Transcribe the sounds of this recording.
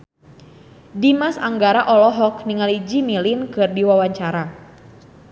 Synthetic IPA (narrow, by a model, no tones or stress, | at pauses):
dimasa̰ŋɡaɾaʔɔlɔɦɔkniŋalid͡ʒimilinkɨrdiwawaɲt͡ʃaɾa